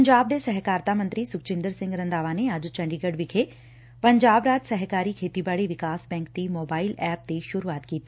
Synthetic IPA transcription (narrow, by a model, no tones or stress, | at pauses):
pɲd͡ʒaːb̚d̪esɛɦkaːɾt̪amə̃nt̪ɾisʊk̚t͡ʃɪ̃nd̪əɾsɪ̃ŋɡɾɐ̃nd̪aːʋaneaːd͡ʒt͡ʃɐ̃ɳɖiɡəɖʋɪkʰe | pɐɲd͡ʒaːbɾaːd͡ʒsɛɦkaːɾikʰeːt̪ibaːɽiʋɪkaːsbɛ̃ːŋk̚t̪imoːbaːɪlɛːp̚t̪eʃʊɾuaːt̪kiːt̪ː